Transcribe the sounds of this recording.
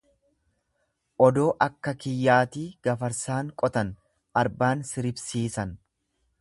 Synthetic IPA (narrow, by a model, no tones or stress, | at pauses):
ʔɔd̪o̞ːʔɐkːɐkɪjːaːt̪iːɡ̥ɐfɐɾsaːŋkʼɔt̪ɐn | ʔɐɾbaːnsɪɾɪbsiːsɐn